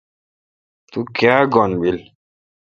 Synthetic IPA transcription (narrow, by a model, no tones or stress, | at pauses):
t̪ukeaɡɔnɓil